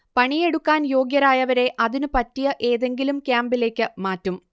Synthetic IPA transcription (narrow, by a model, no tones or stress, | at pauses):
pɐɳije̞ɽukːaːnjo̞ːɡjɐɾaːjɐʋɐɾe̞ʔɐðinɨpɐtːijɐʔe̞ːðe̞ŋɡilumkʲjaːmbile̞ːkʲːɨmaːtːum